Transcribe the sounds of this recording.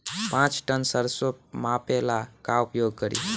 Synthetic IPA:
pãt͡ʃʈənsəɾsomapelakaupjoɡ̚kəɾḭ

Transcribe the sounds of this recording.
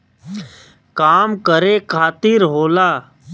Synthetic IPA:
kaːmkəɾeːkʰaːt̪iːɾɦoːlaː

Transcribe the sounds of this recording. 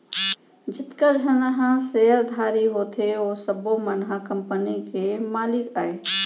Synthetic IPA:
d͡ʒɪt̪kəd͡ʒʱənəɦãseəɾd̪ʱaːɾiɦoːt̪ʰeoːsəbomənɦakəmpənikemaːlɪkaːe

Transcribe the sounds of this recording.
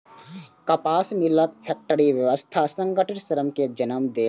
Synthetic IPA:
kɐpaːsmɪlək̪̚pʰɛk̚ʈəɾiʋjəʋəst̪ʰasə̃ŋɡəʈʰɪʈsəɾəmked͡ʒɐnəmd̪eː

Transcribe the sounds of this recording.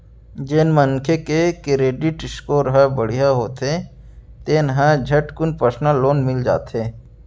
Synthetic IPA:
d͡ʒenməŋkʰekekɪɾeːɖɪʈɪskoːɾɦəbəɽ̤ijaɦoːt̪e | t̪enɦə̃d͡ʒʱɐʈkʊnpəsnaloːnmɪld͡ʒa̰ːt̪eː

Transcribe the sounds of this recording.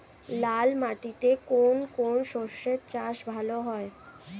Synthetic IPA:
lalmaʈit̪ekonkonʃoʃːeɾt͡ɕaʃbʱaloɦɔe

